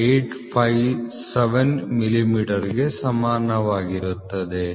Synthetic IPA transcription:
eʈpʰɐjʋ | seʋenmilimiːʈɐɾiɡe̞sɐmaːɾnɐʋaːɡiɾut̪ːɐd̪e

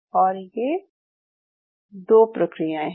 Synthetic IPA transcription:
ɔːɾjeː | d̪oːpɾəkɾijãɛ̃

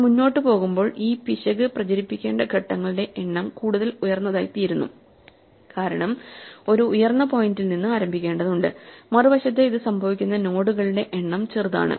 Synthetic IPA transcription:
muɲːo̞ːʈːɨpo̞ːɣumbo̞ːɭiːpiɕɐɣɨprɐt͡ɕɐɾipːikʲːe̞ːɳɖɐkeʈːɐŋːɐɭɨɽe̞ʔeɳːɐmkuːɽuðɐlujɐrnːɐðaːjt̪ːijiɾunːṵ | kaːɾɐɳɐmo̞ɾuːjɐrnːɐpo̞jndilninːɨaːɾɐmbʱikʲːe̞ːɳɖɐðuɳɖɨ̰mɐrɨʋɐɕɐt̪̬ːeiðɨsɐmbʱɐʋikʲːunːɐno̞ːɽuɣɐɭuɽe̞ʔeɳːɐmt͡ɕerɨða̰ːɳɨ̰

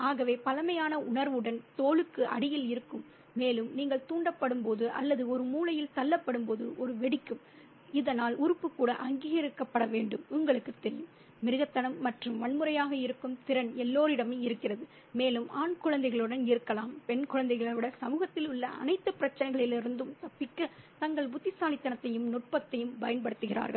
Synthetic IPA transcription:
aːɣɐʋeːpɐlɐmɐjaːnɐʔʊɳɐɾʋɯɽɐnt̪oːɭɯkːɯʔɐ̰ɽɪjɪlɪɾɯkːɯmː | eːlɯmniːŋɡɐɭt̪uːɳɖɐpːɐɽɯmpoːðɯʔɐ̰lːɐðɯɔɾɯmuːlɐjɪlt̪ɐlːɐpːɐɽɯmpoːðɯʔɔɾɯʋɛɽɪkːɯm | ɪðɐnaːlʊɾɯpːɯkːuːɽɐ̰ʔɐŋɡiːɣɐɾɪkːɐpːɐɽɐʋeːɳɖɯmʊŋɡɐɭɯkːɯt̪ːɛɾɪjɯm | mɪɾɯɣɐt̪ːɐnɐmːɐʈrɯmʋɐɳmɯɾɐjaːɣɐɪɾɯkːɯmt̪ɪɾɐnɛlːoːɾɪɽɐmeːɪɾɯkːɪrɐðɯ | meːlɯmaːnkʊɻɐnd̪ɐɪɣɐɭɯɽɐnɪɾɯkːɐlaːmpɛɳkʊɻɐnd̪ɐɪɣɐɭɐʋɪɽɐsɐmuːɣɐt̪ːɪlʊɭːɐʔɐ̰nɐɪt̪ːɯpɪɾɐt͡ʃːɐnɐɪɣɐɭɪlɪɾɯnd̪ɯmt̪ɐpːɪkːɐt̪ɐŋɡɐɭbʊt̪ːɪsaːlɪt̪ːɐnɐt̪ːɐjɯmnʊʈ̚pɐt̪ːɐjɯmpɐjɐnpɐɽɯt̪ːɯɣɪra̰ːɾɣɐɭ

